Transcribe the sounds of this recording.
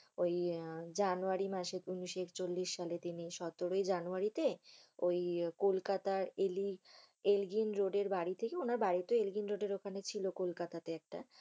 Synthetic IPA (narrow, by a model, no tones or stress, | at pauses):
ojd͡ʑanuaɾimaʃeuniʃekt͡ɕolːiʃːalet̪iniʃɔt̪oɾojd͡ʑanuaɾit̪eojkolkat̪aɾeli | elɡinɾoɖeɾbaɽit̪ʰekeonaɾbaɾit̪oelɡinɾoɖeɾokʰanet͡ɕʰilokolkat̪at̪eɛk̚ʈa̰